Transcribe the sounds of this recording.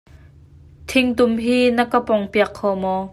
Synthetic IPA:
t̪ʰɪŋt̪ʊmɦiːnɐkəpɔŋpiɐkʰːɔːmɔː

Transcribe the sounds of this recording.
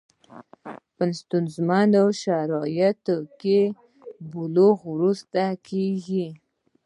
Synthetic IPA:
pənst̪unzmand̪awʃaɾɑjat̪oke | buloɣwɾust̪akʰeɡi

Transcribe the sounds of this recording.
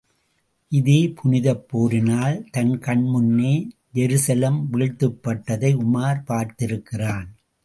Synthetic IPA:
ʔɪðeːpʰʊnɪðɐpːoːɾɪnaːlt̪ɐnkɐɳmʊnːeː | d͡ʒɛɾɯsɐlɐmʋɪːɻt̪ːɯpːɐʈːɐðɐɪʊmaːɾpaːɾt̪ɪɾɯkːɪraːn

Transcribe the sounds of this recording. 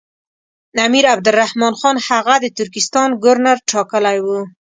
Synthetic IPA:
namiɾab̚d̪ʊlrːahmɑnxɑnhaɣad̪ət̪ʊɾkɪst̪ɑnɡʊɾnaɾʈʰɑkəlajwu

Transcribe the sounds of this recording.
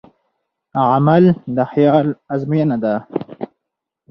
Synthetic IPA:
ʕamald̪əxjɑlazmijanad̪a

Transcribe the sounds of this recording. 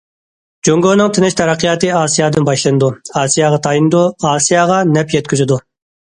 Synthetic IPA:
d͡ʒoŋɡonɨŋt̪ʰɪnɪʃt̪ʰɛɾɛqʰːəjɑːt̪ɨɑːsijɑːd̪ɨnbɑʃlˠɨnɨd̪uɑːsijɑːʁɑt̪ʰɑjinɨd̪uɑːsijɑʁɑnɛpjɛt̪̚kʲyzɪd̪u

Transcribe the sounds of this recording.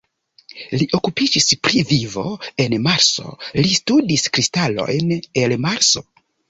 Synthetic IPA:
liʔo̞kupid͡ʒispɾivivo̞e̞nmaɾso̞̰listudiskɾistalo̞̰jne̞lmaɾso̞̥

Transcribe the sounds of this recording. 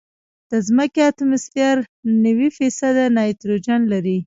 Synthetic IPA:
d̪̥əzməkeat̪ʊmɪstjaɾnawifisad̪anɑjt̪ɾod͡ʒanlaɾi

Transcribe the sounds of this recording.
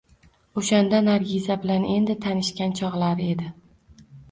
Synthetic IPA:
oʃand̪anaɾɡʲizabɪlane̞nd̪ɪt̪ʰanɪʃkʲant͡ʃʰɒʁlˠaɾe̞d̪ɪ

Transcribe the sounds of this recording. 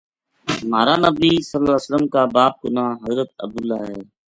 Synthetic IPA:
maːɾaːnəbisəlːəsələmkaːbaːp̚ɡʊnaːɦəzɾət̪̚ə̰b̚d̪ʊlːaːɦɛː

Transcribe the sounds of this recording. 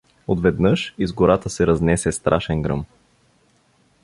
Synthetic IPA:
od̪vɛd̪nɤʃizɡoɾat̪əsɛɾɐznɛsɛst̪ɾʔaʃɛnɡɾɤ̰m

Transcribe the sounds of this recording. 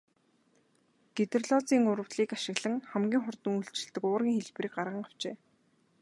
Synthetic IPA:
ɡ̥et̪ɘ̆rɮɔːt͡siːŋʊɾə̆wɮiːkaʃɪ̆ɣɮə̆ŋχæmɡʲiːŋχʊrt̪ə̆ŋuɬt͡ɕɪ̆ɮt̪ɘ̆kʊːrɣʲiːŋxeɮpriːk̚ɢarʁə̆ŋaw̥t͡ɕeː

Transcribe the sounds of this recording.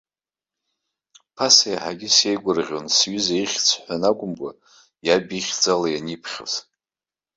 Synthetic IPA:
pʰasajaħaɡʲɪsjejɡʷʊrʁʲonsɥʏzaiχʲt͡sʰħʷᶣanakʷʼʊmkʷʼa | jabiχʲd͡zalajanipʰχʲo̰z

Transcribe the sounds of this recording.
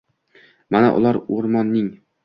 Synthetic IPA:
mana̰ʔʊ̰lˠaɾoɾmɒnːɪŋ

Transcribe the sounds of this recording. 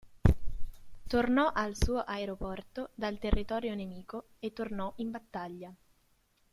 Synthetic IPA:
t̪ornɔʔalsuːoʔaeɾopɔrt̪od̪alt̪erːit̪ɔːɾjonemiːko | et̪ːornɔʔimbat̪ːaʎːa

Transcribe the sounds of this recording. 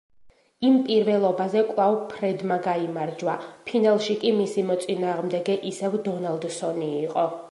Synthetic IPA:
impʼiɾvɛlˠɔbazɛkʼwlˠavpʰɾɛd̪maɡaimaɾd͡ʒwapʰinalˠʃikʼimisimɔt̪sʼinaːʁmd̪ɛɡɛʔisɛvd̪ɔnalˠd̪sɔniːqʼɔ

